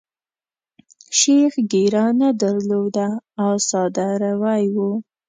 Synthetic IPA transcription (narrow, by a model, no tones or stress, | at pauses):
ʃexɡeɾɑnad̪aɾlod̪aːwsɑd̪aɾawajwu